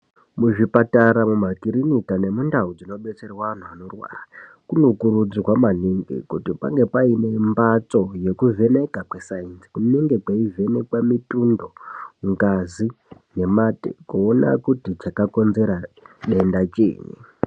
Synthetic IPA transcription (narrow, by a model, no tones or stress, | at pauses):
muʐipataɾamumakiɾinitane̞mundaud͡zino̞ɓe̞t͡seriwaan̤uano̞rwa̰ːra | kunukuɾud͡zrwamaniŋɡḭkutipa̰ŋɡe̞paine̞mbat͡so̞je̞kuve̞ne̞kakwesainsi̥kuneŋɡekwaive̞ne̞kwamitundo̞ŋɡazine̞matḛkuona̰kutit͡ʃakako̞nze̞ɾaɗe̞ndat͡ʃḛːɲḛ